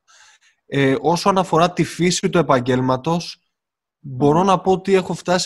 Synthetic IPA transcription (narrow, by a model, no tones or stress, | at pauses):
eʔo̞soɐnɐfo̞ɾɐt̪ifisit̪ue̞pɐɲɟe̞lmɐt̪o̞s | bo̞ɾo̞nɐpo̞ot̪ie̞xo̞ft̪ɐs